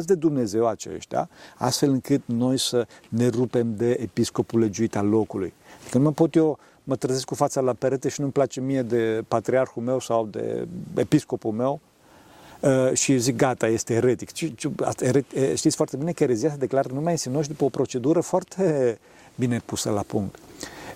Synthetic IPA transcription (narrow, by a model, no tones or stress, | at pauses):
s̬d̪e̞d̪umne̞ze̞wat͡ʃe̞̰ʃt̪ʲja̰a̰st̪fe̞lɨŋkɨt̪no̞jsəne̞rupe̞md̪e̞ːpisko̞pule̞d͡ʒuit̪allo̞kulṵjad̪ikənuməpo̞t̪jo̞ | mət̪ɾəzeskufat̪salapeɾet̪eʃinumplat͡ʃemije̞d̪e̞pat̪ɾiarxulme̞wsawd̪ḛḛpisko̞pulmew | əʃizik̚ɡat̪ajest̪eːɾet̪ikt͡ʃit͡ʃiaeɾeʃt̪it̪sʲfoart̪e̞binekəeɾezias̬əd̪e̞klaɾnumajinsinoʃ̬d̪upəopɾo̞t͡ʃe̞d̪uɾəfoart̪ʰe | bine̞pusəlapuŋkt̪